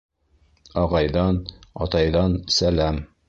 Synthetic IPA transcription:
ɒʁɑjðɑnɒ̰t̪ɑjðɑnsælæm

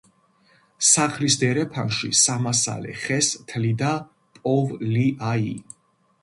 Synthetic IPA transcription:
saχlisd̪ɛɾɛpʰanʃḭsamasa̰lɛ̰χɛst̪ʰlid̪a | pʼɔvliʔai

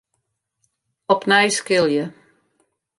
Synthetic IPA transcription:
ɔpnɛjskɪlˠjə

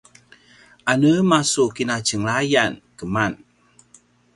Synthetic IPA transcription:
anəmasukinat͡ʃəŋɭajankəman

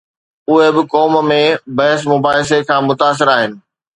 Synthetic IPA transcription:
ʊɦebɪkɔːmmẽbɐɦəs̬mʊbaːɦɪs̬ekʰãːmʊt̪aːs̬ɪɾaːɦɪnɪ̆

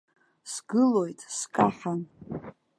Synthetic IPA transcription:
sɡɨlo̞jtʼskʼaħan

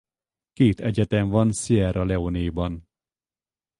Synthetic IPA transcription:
keːt̪ɛɟɛt̪ɛɱvɒnsiɛɾɒlɛoneːbɒn

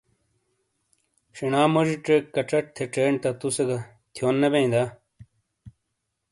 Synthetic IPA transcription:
ɕiɳaːmɐʐiʈ͡ʂekːɐʈ͡ʂɐʈ̚t̪ʰeʈ͡ʂeːɳt̪ɐt̪useɡɐ | t̪ʰjoːnːebeĩnd̪a

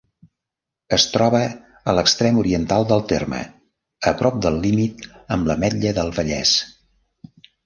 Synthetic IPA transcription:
əst̪ɾɔβə | ələkst̪ɾɛmuɾiənt̪alˠd̪əlˠt̪ermə̰ | əpɾɔp̚d̪əlˠːimit̪əmləmɛʎːəðəlˠβəʎɛ̰s

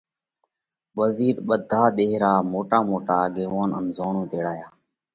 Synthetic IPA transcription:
ʋəziːɾɓəd̪ʱaːɗ̪eːɦɾaːmoːʈaːmoːʈaːɠeːʋaːnənzoːɳũːt̪eːɽaːjaː

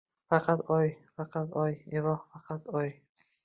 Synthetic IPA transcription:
fɑqʰɑt̪ɒjfɑqʰɑt̪ɒjevɒhfɑqʰɑt̪ɒj

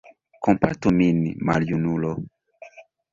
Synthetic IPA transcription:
kɔmpatuminima̰ljunulɔ

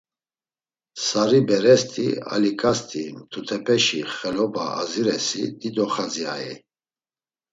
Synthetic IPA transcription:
saɾibɛɾɛst̪ʼʰḭa̰likʼast̪ʰʼimt̪ʰut̪ʰɛpʰɛʃiχɛlɔbaa̰ziɾɛsid̪id̪ɔχazia̰ɛ̰

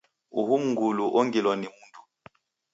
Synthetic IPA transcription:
ṵhum̩ŋɡuluʔɔŋɡilwɔnimuntʰʼu̥

